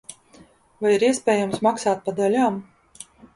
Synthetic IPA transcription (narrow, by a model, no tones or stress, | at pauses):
vajiɾiɛspʲɛːjamsmaksaːt̪̚pad̪alʲaːm